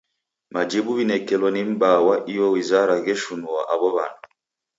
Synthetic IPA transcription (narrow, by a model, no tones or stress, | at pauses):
mad͡ʒɛbuβinɛkɛlwɔnim̩bawaʔijɔwizaɾaɣɛʃunuwa̰ʔaβɔβa̰nɔ